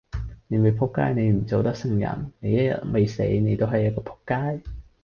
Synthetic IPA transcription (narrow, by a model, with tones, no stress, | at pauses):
ne˨˧jme˨˧jpʰʊ˥kːa̰ː˥jne˨˧jm̩˨˩t͡so˨˧wt̪ɐ˥k̚sɪ˥ŋjɐ̰˨˩nne˨˧jɐ˥t̚jɐ̰˨t̚me˨jsḛ˨˥jne˨˧jt̪o˥wɦɐ˨˩jːɐ˥t̚kɔː˧pʰʊ̥˥kːaː˥j